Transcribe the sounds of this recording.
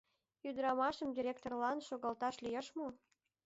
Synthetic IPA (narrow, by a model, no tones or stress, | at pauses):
yd̪əɾɑmɑʃəmd̪ʲiɾʲek̚t̪orlɑnʃoɣɑlt̪ɑʃlijeʃmo